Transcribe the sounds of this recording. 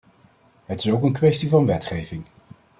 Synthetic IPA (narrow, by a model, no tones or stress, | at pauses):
ɦətɪ̥sowkənkʋɛstivɑnʋɛtχejvɪŋ